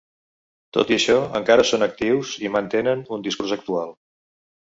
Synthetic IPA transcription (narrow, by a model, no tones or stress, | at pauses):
t̪o̰t̪iəʃɔə̰ŋkaɾəsonək̚t̪iwzimənt̪enənund̪iskurzək̚t̪ualˠ